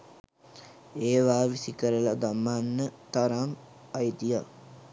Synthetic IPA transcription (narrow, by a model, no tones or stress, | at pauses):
eːʋaːʋisikəɾəlad̪amːanːət̪aɾam | ajd̪ija